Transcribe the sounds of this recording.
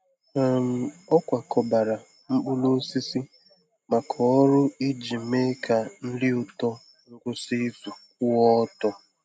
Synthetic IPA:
m̩˨ɔ˦kʷa˨kɔ˨ba˨ɾa˨ | m̩˦k͡pʊ˦lo˦si˦si˦ | ma˨kʰɔ˨ɔ˦ɾʊ˦i˦d͡ʒi˨me˦ka˨n̩˦lɪ˦ʊ˨tɔ˦ | ʊ˦ɾʊ˦si˦fu˨k̚ʊ˦ɔ˦tɔ˦

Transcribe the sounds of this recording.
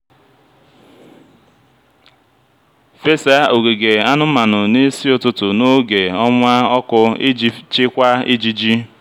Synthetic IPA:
fe˦sa˦ʔo˨ɡe˨ɡe˨a˦nʊ˦ma˨nʊ˨ne˦si˦ʊ˨tʊ˦tʊ˨no˦ɡe˨ɔ˦ŋʷa˦ɔ˦kʊ˦ɪ˦d͡ʒi˦t͡ʃɪ˦kʷa˦ɪ˦d͡ʒi˦d͡ʒi˦

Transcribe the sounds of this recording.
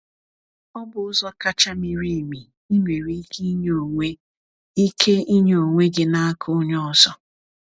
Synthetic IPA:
ɔ˦bʊ˨ʊ˦zɔ˦ka˦t͡ʃa˦mi˨ɾi˦˨mi˨ | i˦nʷe˨ɾi˦ɡi˦ɲo˨ŋʷe˦ | i˦kʰe˦i˦ɲo˨ŋʷe˦ɡɪ˨na˦a˦kʰʊ˦ɲɔ˦˨zɔ˦

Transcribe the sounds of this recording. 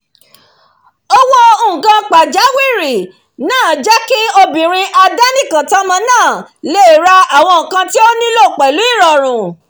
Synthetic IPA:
o˧wɔ˦õ˧˨ɡã˧k͡pa˨d͡ʒa˨˦wi˦˨ɾi˨ | nãː˦˨d͡ʒɛ˦ki˦o˧bĩ˨ɾ̃ĩ˧ʔa˧da˦nĩ˦˨kã˨ta˦mã˧nãː˦˨le˦i˦˨ɾa˧a˨w̃ɔ̃˧ŋ̩˨kã˧ti˦o˦nĩ˦lo˦˨k͡pɛ˨lu˨˦i˦˨ɾɔ˨ɾ̃ũ˨

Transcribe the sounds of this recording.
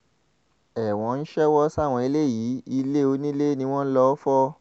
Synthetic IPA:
ɛ˨w̃ɔ̃˨˧˦n̩˦ʃɛ˦wɔ˦sa˦˨w̃ɔ̃˧i˧le˦˨ji˨˦i˧le˦o˧nĩ˦le˦nĩ˧w̃ɔ̃˦n̩˦lɔ˧˦fɔ˦

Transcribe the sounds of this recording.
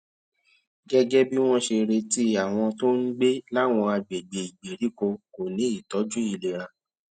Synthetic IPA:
ɡɛ˦ɡɛ˦bi˦w̃ɔ̃˦ʃe˧ɾe˧ti˦a˨w̃ɔ̃˧to˦n̩˦ɡ͡be˦la˦˨w̃ɔ̃˧a˧ɡ͡be˨ɡ͡be˨i˨ɡ͡be˨ɾi˨˦ko˧ko˨nĩ˨˦i˦˨tɔ˨˦d͡ʒu˦i˨le˨ɾa˧

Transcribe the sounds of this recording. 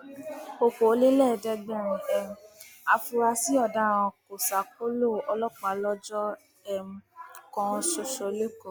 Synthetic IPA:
o˧ko˨˦le˦lɛ˦˨dɛ˧ɡ͡bɛ˦˨ɾũ˨ɛ˨m̩˨˦a˧fu˧ɾa˧si˦ɔ˦˨dã˦˨ɔ̃˧ko˨sa˨k͡po˦lo˦˨ɔ˧lɔ˦k͡pã˨lɔ˦d͡ʒɔ˦ | ɛ˧m̩˧kɔ̃˧so˧ʃɔ˧le˦ko˨

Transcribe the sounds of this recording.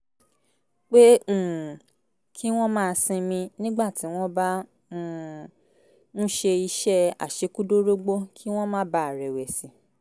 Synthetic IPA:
k͡pe˦ũ˦˨ | kʰi˦w̃ɔ̃˦mãː˦˧sĩ˧mĩ˧nĩ˦ɡ͡ba˦˨ti˨˦w̃ɔ̃˦ba˦ | nũ˦ʃe˧i˧ʃɛ˦a̰˨ʃe˨˧˦ku˦do˦ɾo˦ɡ͡bo˦kʰi˦w̃ɔ̃˦mãː˦˨˦ba˧˦a˨ɾɛ˨wɛ˨si˨˦

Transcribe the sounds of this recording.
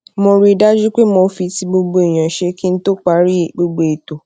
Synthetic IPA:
mo˧ɾi˧˦da˦d͡ʒu˦k͡pe˦mo˧fi˧ti˧ɡ͡bo˧ɡ͡bo˧e˨j̃ã˨ʃe˧˦ki˦n̩˦to˦k͡pa˨˦ɾi˦˨ɡ͡bo˧ɡ͡bo˧e˨to˨

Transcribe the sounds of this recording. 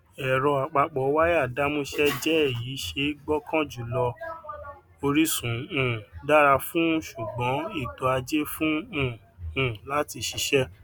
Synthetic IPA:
ɛ˨ɾɔ̃˧a˨k͡pa˧k͡pɔ˨˦wa˦ja˦˨da˦mũ˦ʃɛ˦d͡ʒɛ˦e˦˨ji˨˦ʃe˧˦ɡ͡bɔ˦kʰã˦d͡ʒu˨lɔ˧ | o˧ɾi˦sũ˨ũ˦˨da˦ɾa˧fũ˦ʃu˨ɡ͡bɔ̃˨˦i˦˨to˨˧˦a˧d͡ʒe˦fũ˦ũ˦˨ | ũ˨la˦ti˧ʃi˧ʃɛ˦

